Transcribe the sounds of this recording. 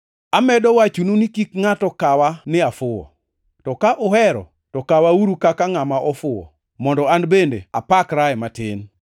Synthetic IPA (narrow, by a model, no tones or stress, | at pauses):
amɛdɔwat͡ʃununikikŋatɔkawanɪafʊwɔ̰ | tɔkaʔʊhɛɾɔ̰ | tɔkawauɾukakaŋamaʔɔfʊwɔ̰ | mɔndɔanbendeapakɾaɛmatɪn